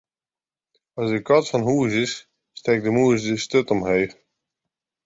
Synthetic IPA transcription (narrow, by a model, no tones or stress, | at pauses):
ɑsdəkɑtfɔnɦuəsɪs | stɛːk̚dəmuəsdəstøtɔmɦej